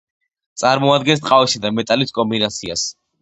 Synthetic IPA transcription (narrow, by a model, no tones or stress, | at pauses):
t̪sʼaɾmɔad̪ɡɛns̬t̪ʼqʼavisad̪amɛt̪ʼaliskʼɔmbinat̪sʰias